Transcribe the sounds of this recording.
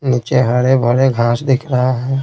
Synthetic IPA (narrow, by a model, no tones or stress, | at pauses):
niːt͡ʃeɦɐɾebʱəɽeɡʱaːsd̪ɪkʰɾɐɦaɦɛː